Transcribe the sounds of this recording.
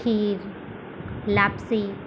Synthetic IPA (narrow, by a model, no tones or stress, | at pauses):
iːɾ | lapsi